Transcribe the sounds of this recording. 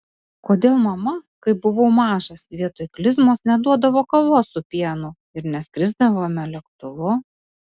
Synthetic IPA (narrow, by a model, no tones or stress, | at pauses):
koːd̪ʲeːlˠmɐmɐkɐɪbʊʋɐʊmɑːʒɐsʋʲiɛt̪oːɪklʲɪzmoːsnʲɛd̪uɔd̪ɐʋoːkɐlˠoːssʊpʲiɛnʊ | ɪɾnʲɛskɾʲɪzd̪ɐʋoːmʲɛlʲɛkt̪ʊʋʊ